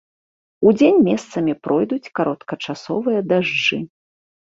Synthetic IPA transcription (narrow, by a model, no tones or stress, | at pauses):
ud͡zʲenʲmʲɛst̪sɐmʲipɾʔɔjd̪ut͡sʲkaɾɔt̪kɐt͡ʂasɔvɨjɐd̪aʐd͡ʐɨ